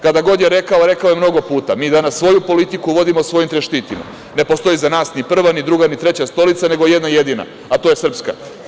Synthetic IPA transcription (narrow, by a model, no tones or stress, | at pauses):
kad̪aɡo̞d̪je̞ɾe̞kaoɾe̞kaoje̞mno̞ɡo̞puːt̪amiːd̪anasʋo̞jupo̞lit̪ikuʋo̞d̪imosʋo̞jimt̪ɾeʃt̪iːt̪ima̰ | ne̞post̪o̞jizanaːsnipr̩ʋanid̪ɾuɡanit̪ɾe̞t͡ɕast̪o̞lit̪sane̞ɡoje̞d̪naje̞d̪ina̰ | at̪ojesr̩pska̰